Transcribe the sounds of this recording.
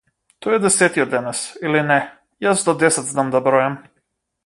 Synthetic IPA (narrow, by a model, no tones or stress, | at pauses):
t̪ɔɛd̪ɛsɛt̪iɔd̪ɛnɛsilinɛ | jasd̪ɔd̪ɛsɛd̪znamd̪abɾɔjam